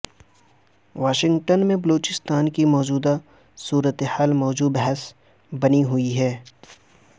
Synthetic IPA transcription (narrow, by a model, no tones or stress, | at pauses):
ʋaːʃɪ̃ŋɡʈənmẽbɐloːt͡ʃɪst̪aːnkimɔːd͡ʒuːd̪a | suːɾət̪ehaːlmɔːd͡ʒuːbɦɛs | bɐniɦʊiɦɛː